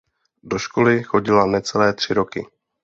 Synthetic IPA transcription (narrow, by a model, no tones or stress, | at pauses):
do̞ʃkolɪxo̞ɟɪlanɛtt͡sɛlɛːt̪r̝̥ɪɾo̞kɪ̰